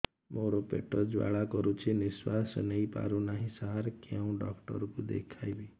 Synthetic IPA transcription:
moɾopḛʈɔd͡ʒwa̰ɭakɔɾut͡ʃʰiniswasɔnejpa̰ɾunaɦĩsaɦaɾkeũɖɔkʈɔ̰ɾɔkud̪ḛkʰajbi

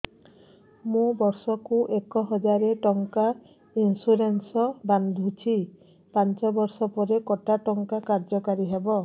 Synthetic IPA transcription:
mũbɔɾsɔkuʔekɔɦɔd͡ʒaɾeʈɔŋka | insuɾensɔband̪ʱut͡ʃʰi | pant͡ʃɔbɔɾsɔpɔɾekɔʈaʈɔŋkakaɾd͡ʒɔkaɾiɦebɔ

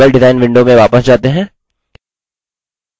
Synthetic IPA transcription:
əlɖɪzaːɪnʋɪ̃ɳɖomẽʋaːpəsd͡ʒaːt̪eɦɛ̃ː

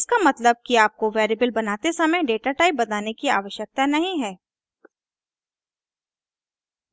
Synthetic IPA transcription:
ɪskamɐt̪ləb̚kiaːp̚koʋeːɾiːbəlbɐnaːt̪esɐməjɖeːʈaʈaːɪp̚bɐt̪aːnekia̰ːʋəʃjək̚t̪anɐɦĩɦɛː

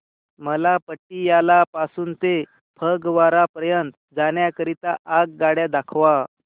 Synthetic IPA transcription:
məlapəʈːijalapasuːnt̪e | pʰəɡʋaɾapɾəjənt̪ | d͡zaɳ̃jakəɾit̪aʔaɡ̚ɡaɽjad̪akʰʋa

